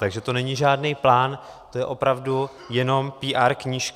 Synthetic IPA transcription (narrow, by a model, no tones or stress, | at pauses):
t̪aɡʒɛt̪o̞nɛɲiʒaːdnejplaːn | t̪o̞jɛʔo̞pɾavdu | jɛno̞mpiːʔaːɾkɲiʃk